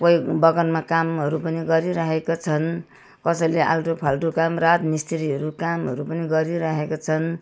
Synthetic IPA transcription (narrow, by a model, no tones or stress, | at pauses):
kojbʌɡʌnmakamɦʌɾupʌniɡʌɾiɾʌɦekot͡sʰʌn | kʌsʌjleʔa̰lʈopʰalʈokamrat̪nist̪ʰiɾiɦʌɾukamɦʌɾupʌniɡʌɾiɾʌɦekot͡sʰʌn